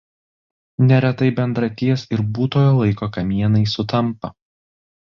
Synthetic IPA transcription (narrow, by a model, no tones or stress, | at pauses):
nʲɛɾʲɛt̪ɐɪbʲɛnd̪ɾɐt̪ʲiɛsɪɾbuːt̪oːjoːlˠɐɪkoːkɐmʲiɛnɐɪsʊt̪ɐmˑpɐ